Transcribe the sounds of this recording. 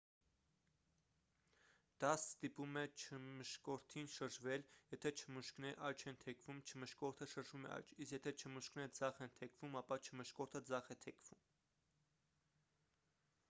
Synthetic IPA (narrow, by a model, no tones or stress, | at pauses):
d̪̥ɑsst̪ipumɛt͡ʃʰəməʃkɔɾt̪ʰinʃəɾʒvɛljɛt̪ʰɛt͡ʃʰəmuʃknɛɾʔɑjt͡ʃʰɛnt̪ʰɛkʰvumt͡ʃʰəməʃkɔɾt̪ʰəʃəɾʒvumɛ̰ʔɑ̰jt͡ʃʰisjɛt̪ʰɛt͡ʃʰəmuʃknɛɾəd͡zɑχɛnt̪ʰɛkʰvumɑpɑt͡ʃʰəməʃkɔɾt̪ʰəd͡zɑχɛt̪ʰɛkʰv̥um